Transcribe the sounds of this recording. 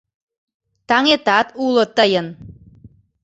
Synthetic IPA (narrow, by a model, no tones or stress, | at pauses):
t̪ɑŋet̪ɑt̪ulə̆t̪əjən